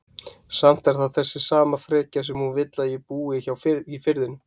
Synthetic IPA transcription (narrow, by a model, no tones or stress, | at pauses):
sam̥t̪ɛɾ̥θaðθɛsːɪsaːmafɾɛːcasɛmhunvɪt̪lajɛpuːɪçawfɪifɪɾðɪnʏ